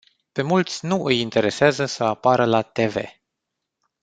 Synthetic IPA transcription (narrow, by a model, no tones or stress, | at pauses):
pe̞mult̪sʲnuʔɨjint̪e̞ɾe̞seazəsəapaɾəlat̪e̞ve̞̰